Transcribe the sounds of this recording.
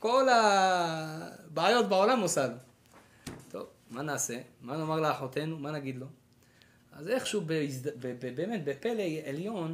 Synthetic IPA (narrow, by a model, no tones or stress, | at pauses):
ko̞la | baːjo̞t̪bao̞lamosalu | t̪ʰo̞̰v | manaːse̞mano̞maʁleaħot̪e̞numanaɡid̪lo̞ | ʔaze̞χʃubeisd̪bebebeːmet̪̚bepe̞lejeljo̞n